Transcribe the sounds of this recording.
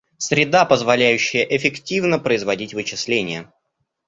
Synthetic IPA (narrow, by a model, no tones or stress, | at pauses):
sɾʲɪd̪apəzvɐlʲæjʉɕːɪjəʔɪfʲɪktʲivnəpɾəɪzvɐdʲitʲvɨt͡ɕɪslʲenʲɪjə